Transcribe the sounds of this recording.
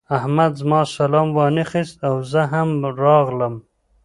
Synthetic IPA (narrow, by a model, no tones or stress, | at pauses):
ahmad̪zmɑsalɑmwɑnexist̪awzəɦamɾɑɣləm